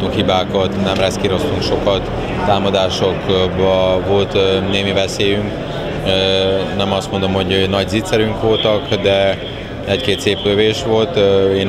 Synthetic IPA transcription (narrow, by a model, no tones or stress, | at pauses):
t̪uŋkhibaːkɒt̪nɛmrɛskiɾo̞st̪uŋkʃo̞kɒt̪ː | aːmɒd̪aːʃokbɒvo̞lt̪neːmivɛseːjyŋk | nɛmɒst̪mo̞nd̪o̞mho̞ɟnɒɟziːt̪sɛɾyŋkʋo̞lt̪ɒkd̪ɛ | ɛckeːt̪seːpkøveːʃʋo̞lt̪eːn